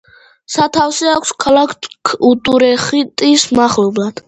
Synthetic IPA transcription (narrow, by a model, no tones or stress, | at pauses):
sat̪ʰafsɛakʰʷskʰalˠakʰkʰut̪ʼuɾɛχit̪ʼismaχlɔblˠad̪̥